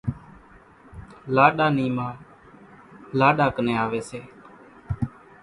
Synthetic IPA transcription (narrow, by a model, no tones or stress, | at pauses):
laːɗaːniːmãː | laːɗaːkənẽːaːʋeːseː